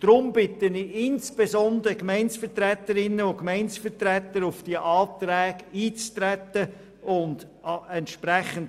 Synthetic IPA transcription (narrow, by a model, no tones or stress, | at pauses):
d̪̥ɾʊmbɪtəniɪnsb̥ezɔnd̪əɾəkmɛɪnsfətrɛt̪əɾɪnːəʊkmæɪnsfətɾɛtəɾʊfd̥iəʔɑːtrɛːɡiːt͡st̪ɾɛtə | ʊnd̥ | ɛntʃprɛχənt